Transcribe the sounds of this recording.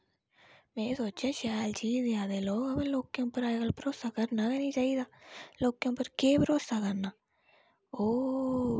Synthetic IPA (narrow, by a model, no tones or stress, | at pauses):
mɛ̃ːsoːt͡ʃjãːʃɛːlt͡ʃiːd̪eaːd̪eːloːkəbẽːloːkjõːpəɾaːeɡəlpəɾoːsaːkəɾnaːkɛniːt͡ʃaːiːd̪aːloːkjõːpəɾkeːpəɾoːsaːkəɾnaː | oː